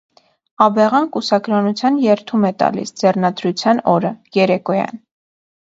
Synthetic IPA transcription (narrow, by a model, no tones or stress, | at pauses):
ɑbɛʁɑnkusɑkɾɑnut͡sʰjɑnjɛɾt̪ʰumɛt̪ɑ̰lḭsd͡zɛrnɑd̪ɾut͡sʰjɑnɔɾəjɛɾɛkɔjɑ̰n